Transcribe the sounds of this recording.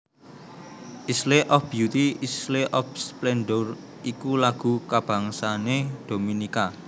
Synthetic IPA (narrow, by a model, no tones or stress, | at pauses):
ʔisleʔɔfb̥jut̪iisleʔɔfsplɛnɖɔr | ikulaɡ̥ṳkab̥ä̤ŋsaned̪̥o̤minika